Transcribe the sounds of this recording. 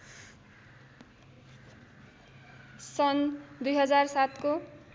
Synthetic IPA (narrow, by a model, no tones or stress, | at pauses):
sʌnd̪ujɦʌd͡zarsat̪ko